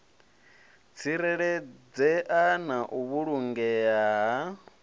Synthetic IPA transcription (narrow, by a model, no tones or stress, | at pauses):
t͡sʰiɾɛɺɛd͡zɛʔanaʔuβuɺuŋɡɛaɦa